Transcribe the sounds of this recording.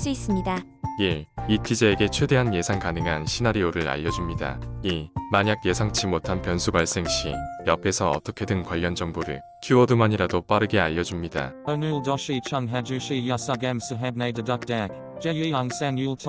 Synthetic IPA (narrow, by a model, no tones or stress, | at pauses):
s͈uis͈ɯmɲida | jeitʰid͡ʑeːɡe̞t͡ɕʰwe̞de̞ɦanje̞sʰaŋkanɯŋɦanɕʰinaɾioɾɯɾa̰ʎːʌd͡ʑumɲida̰imaɲaɡ̚je̞sʰaŋt͡ɕʰimotʰanpjʌnsʰuɡwaɭs͈e̞ŋɕ͈ḭjʌpʰe̞sʰʌʌ̰t͈ʌkʰe̞dɯnkwaʎːʌnd͡ʑʌŋboɾɯ̰ɭ | kʰjuʌdumaɲiɾadop͈aɾɯɡe̞aʎːʌd͡ʑumɲida̰onuldɔʃit͡ʃʰʌnɦæd͡ʒuɕijasʌɡamsəɦɛd̚neɪdədʌk̚d̥ak | d͡ʒɛjiaŋsænjulˠtʰ